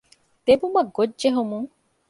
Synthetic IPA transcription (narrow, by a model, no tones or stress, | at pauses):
t̪ebumɐɡod͡ʒd͡ʒeɦomuŋ